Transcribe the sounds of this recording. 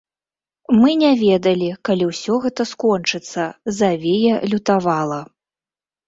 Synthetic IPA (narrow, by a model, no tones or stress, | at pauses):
mɨnʲɛvʲɛd̪ɐlʲikalʲiwsʲɔɣɛt̪ɐskɔnt͡ʂɨt̪sːɐzavʲejɛlʲut̪avalˠɐ